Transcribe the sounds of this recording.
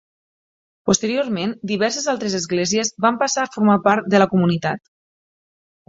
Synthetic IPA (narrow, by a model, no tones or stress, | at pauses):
post̪əɾioɾmend̪iβɛɾsezalˠt̪ɾezəzɣlɛziəzβampasaːfuɾmapaɾt̪̚d̪ələkumunit̪at̪